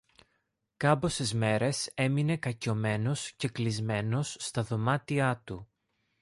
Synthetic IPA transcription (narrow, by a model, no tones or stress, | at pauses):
kɐpo̞sezme̞ɾe̞se̞mine̞kɐco̞me̞no̞sce̞klizme̞no̞sːt̪ɐðo̞mɐt̪iɐt̪u